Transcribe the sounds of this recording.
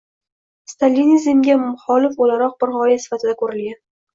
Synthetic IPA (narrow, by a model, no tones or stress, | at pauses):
st̪ʰalːinizemɡʲamːʊχɒlɪfolaɾɒq̚bɪɾhɒjasɪ̥fat̪ʰɪd̪akʰɵɾɪlɡʲan